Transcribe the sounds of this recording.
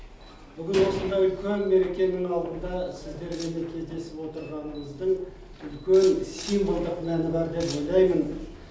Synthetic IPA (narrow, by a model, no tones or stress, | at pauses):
bʏɡʲɪnwo̞sənd̪ɑʏlkʲʰenme̞ɾe̞kʲe̞nɪŋɑlˠd̪ənd̪ɑsɪzd̪e̞ɾme̞nekʲʰe̞zd̪e̞sɪpwo̞t̪əɾʁɑnəməzd̪əɴ | ʏlkʲensijmbəlˠd̪əqmænɪbæɾd̪e̞pʒojlˠɑjmən